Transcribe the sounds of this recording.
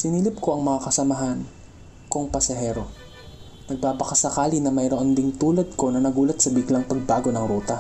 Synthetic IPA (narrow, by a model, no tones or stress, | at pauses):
sɪnilɪp̚ko̞ʔɐŋmɐŋakɐsɐmɐɦan | koŋpɐsɐɦɛːɾo̞ | nɐɡ̚paːpɐkɐsɐkaːlinɐmɐjɾoʔond̪ɪŋt̪uːlɐd̪̚ko̞nɐnɐɡuːlɐt̪̚sɐbiklɐŋpɐɡ̚baːɡo̞nɐŋɾuːt̪ɐ